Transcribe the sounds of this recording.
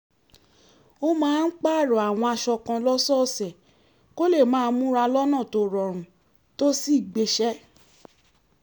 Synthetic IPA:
o˦mãː˦n̩˦k͡pa˦˨ɾɔ˨a˨w̃ɔ̃˧a˧ʃɔ˧kã˧lɔ˦sɔ˦˨sɛ˨ | ko˦le˦˨mãː˦˧n˦mũ˦ɾa˧lɔ˦nã˦˨to˧˨ɾɔ˨ɾ̃ũ˨ | to˦si˦˨ɡ͡be˧˦ʃɛ˦

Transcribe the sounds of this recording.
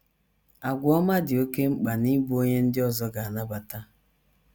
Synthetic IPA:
a˨ɡʷɔ˦ma˦dɪ˨o˦ke˦ŋ͡m̩˦k͡pa˨ni˦bu˦o˦ɲe˦n̩˦dɪ˦ɔ˦zɔ˦ɡa˨a˨na˦ba˨ta˦

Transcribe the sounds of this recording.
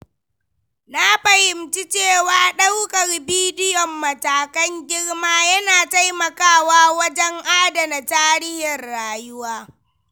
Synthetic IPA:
na˦ɸɐ˨hɪ˨mt͡ʃi˦t͡ʃeː˦˨waː˦ɗa˦wkɐ˨rbiː˦dɪ˦jɔ˨mːɐ˨taː˨kɐ˦ŋɡʲɪ˦ɽmaː˦jɐ˦naː˨ta˦jmɐ˨kaː˦waː˦wɐ˦d͡ʒɛ˦ŋʔaː˦da˨na˨taː˦ɾɪ˦hɪ˨rɽaː˨jʊ˦waː˦

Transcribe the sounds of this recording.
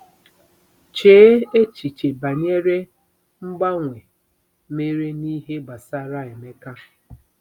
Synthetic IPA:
t͡ʃeː˨˦e˦t͡ʃi˨t͡ʃe˨ba˨ɲe˦ɾe˦ | ŋ͡m̩˦ɡ͡ba˦ŋʷe˨ | me˦ɾe˦ni˦ɦe˦ɡ͡ba˨sa˦ɾa˦e˨me˦ka˦

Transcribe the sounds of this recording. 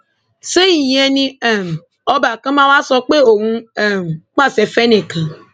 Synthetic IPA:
se˦i˨je˦nĩ˦ɛ˨m˨ | ɔ˦ba˨kã˦mã˦wa˦sɔ˦k͡pe˦o˨wũ˦ɛ˨m˨k͡pa˦˨se˨fe˦ne˨kã˨

